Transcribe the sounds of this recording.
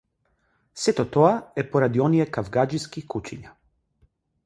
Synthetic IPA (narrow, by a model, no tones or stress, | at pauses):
sɛt̪ɔt̪ɔaɛpɔɾad̪iɔnijɛkavɡad͡ʒiskikut͡ʃiɲa